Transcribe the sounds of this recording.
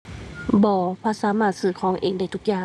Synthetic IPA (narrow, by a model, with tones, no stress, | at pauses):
bɔː˧˦pʰaː˧˥saː˨˦maː˧˩t̪̚sɯː˧˩kʰɔː˨˦ŋʔḛː˧˨˩ŋda˧˩t̪ʰu˧k̚jaː˧˩